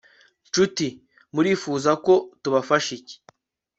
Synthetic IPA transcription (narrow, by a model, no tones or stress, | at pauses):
nt͡ʃuti | muɾiːfuːzako̞tuβafaʃice̥